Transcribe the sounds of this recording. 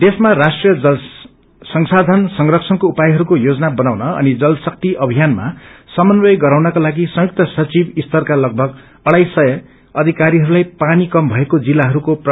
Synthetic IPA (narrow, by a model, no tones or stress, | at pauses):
d̪esmarasʈrijʌʌ | sʌŋsad̪ʱansʌŋrʌkt͡sʰʌnkoupajɦʌɾukojod͡zʌnabʌnawnʌʌ̰nid͡zʌlsʌk̚t̪iʔʌbʱijanma̰sʌmʌnrʌjɡʌɾawnʌkalaɡisʌ̃juk̚t̪ʌsʌt͡sibist̪ʌrkalʌɡ̚bʱʌɡ | ʌɽajsʌjʌ | ʌd̪ʱikaɾiɦʌɾulajpanikʌmbʱʌekod͡zilːaɦʌɾukop